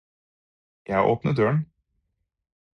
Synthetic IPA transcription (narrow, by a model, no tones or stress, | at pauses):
jæɪʔoːpnəd̪øːən